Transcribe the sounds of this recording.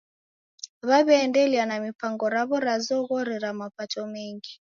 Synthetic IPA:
βaβɛːndɛlianamipaŋɡɔɾaβɔɾazɔɣɔɾɛɾamapatɔmɛŋɡi

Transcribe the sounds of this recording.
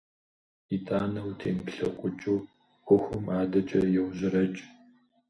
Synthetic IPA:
itʼaːnɐwtʰeːmɬɐ̰qʷʼʊt͡ʃʼw | xʷʊxʷʊmaːdɐt͡ʃʼɐjɛwʑɪɾɐt͡ʃʼ

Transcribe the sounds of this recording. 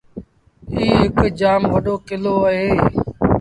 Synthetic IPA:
iːɦɪkd͡ʒaːmʋəɗoːkɪloːəɦeː

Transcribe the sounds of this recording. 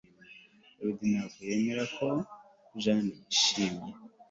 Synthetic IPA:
eβid̪inaːɡoje̞meɾakʰo̞ | ʒaniʃiːmje

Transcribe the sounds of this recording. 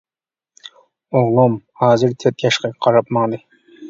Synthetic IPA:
oʁlˠumhɑːzɨɾt̪ʰet̪jɑʃqɑqʰɑɾɑpmɑŋd̪ɨ

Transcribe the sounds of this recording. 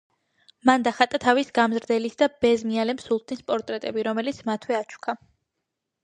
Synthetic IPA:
mand̪aχat̪ʼat̪ʰavisɡamzɾd̪ɛlisd̪ab̥ɛzmialɛmsulˠt̪̚ʰnispʼɔɾt̪ʼɾɛt̪ʼɛbiɾɔmɛlit̪sʰmat̪ʰwɛat͡ʃʰu̥kʰa

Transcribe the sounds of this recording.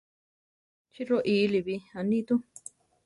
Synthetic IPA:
t͡ʃiɾoʔiːliβiãnĩt̪ũ

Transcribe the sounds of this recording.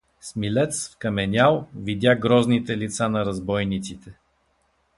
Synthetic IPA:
smilɛt̪sfkɐmɛnʲalˠvid̪ʲjaɡɾɔznit̪ɛlit̪sanɐɾɐzbɔjnit̪sit̪ɛ

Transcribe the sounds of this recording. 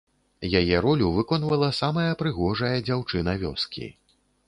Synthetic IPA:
jajɛɾɔlʲuvɨkɔnvɐlˠɐsamɐjɐpɾɨɣɔʐɐjɐd͡zʲawt͡ʂɨnɐvʲɔskʲḭ

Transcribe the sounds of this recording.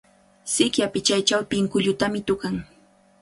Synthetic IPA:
sɪkjapɪt͡ʃajt͡ʃawp̪ɪŋkʊʎʊt̪amɪt̪ʊkaŋ

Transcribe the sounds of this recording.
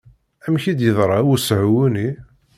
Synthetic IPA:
æmçid̪jəðˤɾˤɑwusʕwuni

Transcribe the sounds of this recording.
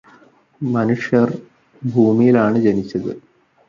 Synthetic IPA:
mɐnuʂjɐr | bʱuːmijilaːɳɨd͡ʑenit͡ɕːɐðɨ

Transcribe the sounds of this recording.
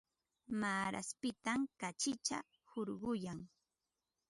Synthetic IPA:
maːɾa̰spɪt̪amkat͡ʃɪt͡ʃa̰ | hoɾɢʊjaŋ

